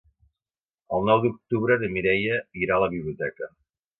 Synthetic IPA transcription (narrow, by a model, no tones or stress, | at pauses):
əlˠnɔwd̪uk̚t̪uβɾəðəmiɾɛjəiɾaləβiβliut̪ɛkə